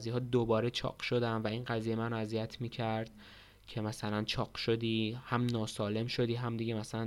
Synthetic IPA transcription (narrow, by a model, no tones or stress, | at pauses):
zijɦɒːd̪obɒːɾe̞t͡ʃʰɒ̰ːɢʃo̞d̪æmvæinɢæzijemænæzijæt̪ʰmiːcʰæɾd̪̥̚ | cʰe̞mæsælænt͡ʃʰɒːɢʃo̞d̪iːhæmnɒːsɒːle̞mʃo̞d̪iːɦæmd̪iɟemæsælæn